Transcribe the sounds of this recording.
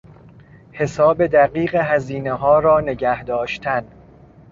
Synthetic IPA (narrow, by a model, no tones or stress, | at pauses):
he̞sɒːbe̞d̪æɢiːɣeɦæziːneɦɒːɾɒːne̞ɟæhd̪ɒːʃt̪ʰæn